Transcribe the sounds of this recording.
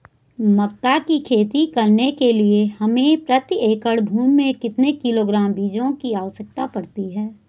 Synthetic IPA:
mɐkt̪ːakikʰeːt̪ikɐɾnekeliehɐmẽpɾət̪ieːkəɽbʱuːmmẽkɪt̪nekɪloːɡɾaːmbiːd͡ʒõkiaːʋəʃək̚t̪apɐɽt̪iɦɛː

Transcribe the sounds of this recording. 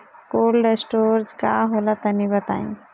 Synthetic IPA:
koːlɖesʈoɾd͡ʒkaɦolat̪ənibət̪a̰ḭ̃

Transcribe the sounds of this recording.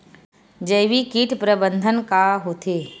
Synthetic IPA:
d͡ʒəʋikiːʈʰpɾəbə̃nd̪ʱənkaɦoːt̪ʰeː

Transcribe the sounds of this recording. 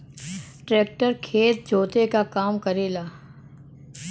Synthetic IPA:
ʈɾeːk̚ʈəɾkʰeːt̪̚d͡ʒʱoːt̪ekakaːmkɐɾeːlaː

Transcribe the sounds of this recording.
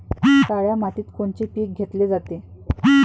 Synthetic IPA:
kaɭjamat̪iːt̪koɳt͡ɕepiːk̚ɡʱet̪led͡zat̪e

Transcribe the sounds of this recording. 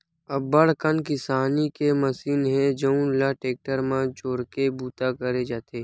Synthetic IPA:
ɐbːəɽ̤kənkɪsaːnikeməsiːnɦɛ̃d͡ʒəũnlaːʈeːk̚ʈəɾmãt͡ʃoːɽkebuːt̪akəɾed͡ʒaːt̪eː

